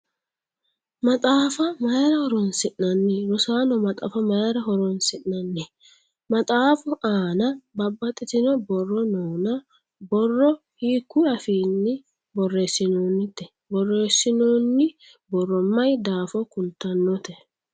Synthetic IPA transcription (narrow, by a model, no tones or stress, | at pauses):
mɐt̪ʼaːfɐmɐjɾɐhɔɾɔnsɪʔnɐnːɛɾʊsaːnɔmɐt̪ʼa̰ːfɐmɐjɾɐɦɔɾɔnsɪʔnɐnːɛ | mɐt̪ʼaːfʊʔaːnɐbɐbːɐt̪ʼːɪt̪ɪnɔbɔrːɔnoːnɐ | bɔrːɔ | hiːkːʊɐfiːnːɪ | bɔrːeːsːɪnoːnːɪt̪ːɛ | bɔrːeːsːɪnoːnːɪ | bɔrːɔmːɐjd̪aːfɔkʊlt̪ːɐnːɔt̪ɛ